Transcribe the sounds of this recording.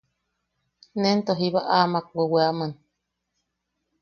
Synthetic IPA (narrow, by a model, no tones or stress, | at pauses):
nent̪oɦiβaʔamak̚weweaman